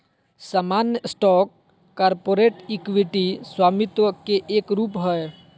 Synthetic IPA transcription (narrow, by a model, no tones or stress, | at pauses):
saːmanjəsʈɔkː | aːɾpoːɾeːʈikʋiʈiswaːmit̪ʋəkeʔeːkɾuːpɦəe